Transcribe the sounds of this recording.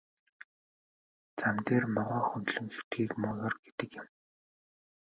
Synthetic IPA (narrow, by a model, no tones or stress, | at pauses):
t͡samt̪eːrmɔʁɔːxunt̪ɮɵ̆ŋsu̥t̪̚ɡiːkmʊːjɔrɡet̪ɘ̆kjɪ̆m